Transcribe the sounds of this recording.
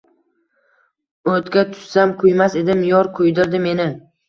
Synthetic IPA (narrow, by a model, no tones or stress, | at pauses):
ɵt̪kʲat̪ʰʊ̥ssamkʰʊjmase̞d̪ɪmjɒɾkʰʊjd̪ɪɾd̪ɪme̞nɪ